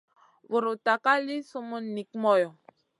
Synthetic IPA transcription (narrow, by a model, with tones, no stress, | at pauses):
vo˨ɾo˨ta˨ka˦li˦su˦mu˦ni˨kmɔ˦jɔ˨